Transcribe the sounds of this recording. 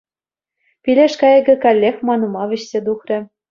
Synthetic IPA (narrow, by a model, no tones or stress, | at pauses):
pilʲeʃkɑjɤ̆ɡɘ̆kɑlʲːexmɑnumɑβʲɘ̆ɕsʲed̪uxrʲɘ̆